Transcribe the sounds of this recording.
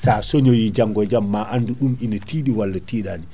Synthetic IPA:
saːsoɲojid͡ʒaŋɡɔd͡ʒamːaʔanduɗuminatiːɗiwalːatiːɗaːni

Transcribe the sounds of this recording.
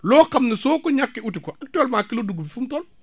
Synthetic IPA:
loːkamnisoːkoɲakːiutikoʔak̚talmakːiloduɡubifumtɔl

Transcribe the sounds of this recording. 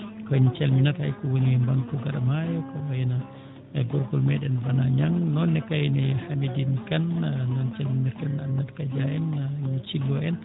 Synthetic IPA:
kɔɲt͡ʃɛlminaɾhajkuwoniɛmbaŋkuɡaɾamajkɔajɛna | ɡɔɾɡɔlmɛɗɛnvanaɲaŋnɔnːɛkajɛnɛhamidinkannɔnt͡ʃɛlminaɾkananːatkad͡ʒaɛnɲt͡ʃiɡɔɛn

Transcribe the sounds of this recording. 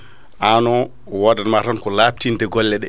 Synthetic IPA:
ʔanɔ | wɔdanmatankɔlaptintɛɡɔlːɛɗɛ

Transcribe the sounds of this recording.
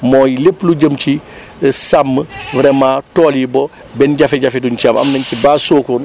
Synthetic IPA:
mɔːjilepːluɟəmci | samːəvɾɛmaːtɔːlibɔ | bɛnɟafɛɟɐfɛdunt͡ʃaːmɐ̰mnɐɲcibaːsoːkoːn

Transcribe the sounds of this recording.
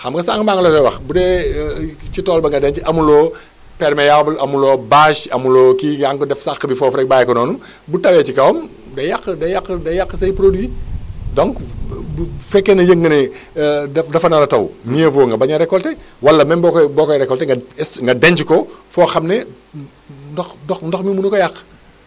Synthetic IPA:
xɐmɡɐsaŋkmaːŋɐlɐtɛwɐxbudɛ | t͡ʃitɔːlbɐŋɡɐdɛɲt͡ʃʔɐmulɔː | pɛɾmɛjawbɐlʔɐmulɔːbaːʃɐmulɔːkiŋaŋkdɛfsaxkəbifɔːfɾɛk̚baːjɛkɔnɔːnu | butɐwɛt͡ʃikɐwm | dɐjakːədɐjakːədɐjakːəsɐjpɾodwidɔŋk | fɛkːɛnɐjəŋɡɐnɛ | dɐdɐfɐnɐɾɐtɐwmijəfɔŋɡɐbɐɲɐɾɛkːɔltɛwɐlːɐmɛnbɔkbɔːkɔɾɛkːɔltɛŋɡɐɛsŋɡɐdɛɲt͡ʃkɔfɔːxɐmnɛ | ndɔxnɔxndɔxmimunukɔjakː

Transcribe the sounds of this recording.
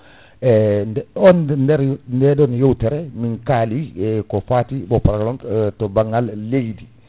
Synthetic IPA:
ɛɔnndɛɾndɛɗɔnjowtɛɾɛminkaːliɛkɔfaːtiɓɔpɾakɾamtɔbaŋːalːejdi

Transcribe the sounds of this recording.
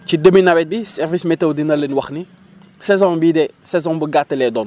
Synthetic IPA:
cidəminabɛt̚bisɛrvismɛtɐwdinɐlənwɐxni | sɛzɔ̃nbidɛsɛzɔ̃nbəɡatːəlɛdɔːn

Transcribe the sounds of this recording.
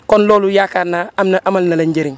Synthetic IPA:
konloːlujakaːnaamnaʔamalnalaɲɟeɾiŋ

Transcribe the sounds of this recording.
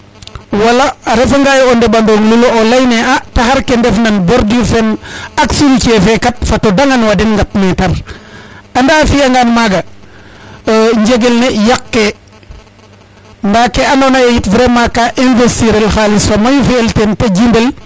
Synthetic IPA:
walaɾefaŋɡajondeɓandoŋluloolajneataxaɾkendefnanboɾdifenaksulkefekat̚fatodaŋanwadinŋɡat̚metɐɾ | andaːfiaŋɡanmaɡa | ɲd͡ʒeɡelnejakːe | ndaːkːeanonajajitvɾemakaʔinvestiɾelxalisfamajufiːltentad͡ʒimbel

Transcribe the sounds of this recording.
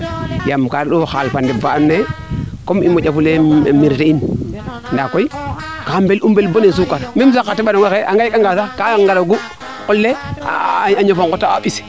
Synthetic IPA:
jamkaɾɗoxalfandebanːe | komimod͡ʒafulemiɾtein | ndakoikambelʔumbelbonens̬ukːaɾmimsakatiɓanoŋakeaŋɡakaŋɡasakaŋɡaɾoɡu | kolːea̰aɲofoŋkotːaaɓis

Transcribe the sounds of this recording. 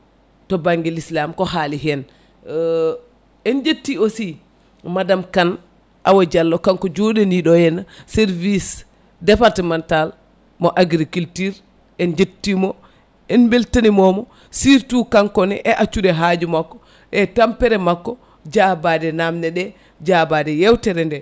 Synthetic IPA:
tɔbaŋɡɛlislamkɔhaliɦɛn | ɛnd͡ʒetːiosi | madamkan | ʔawad͡ʒalːɔkaŋkɔd͡ʒodɛniɗɔjɛnːasɛɾvis | dɛpaɾtɛmɛntal | mɔʔaɡɾikultiɾ | ɛnd͡ʒetːimɔ | ɛnbeltanimɔmɔ | siɾtukaŋkɔnɛ̰ʔɛʔat͡ʃːudɛɦad͡ʒumakːɔ | ʔɛtampɛɾɛmakːɔ | d͡ʒabadɛnamnɛɗɛ | d͡ʒabadɛjɛwtɛɾɛndɛ

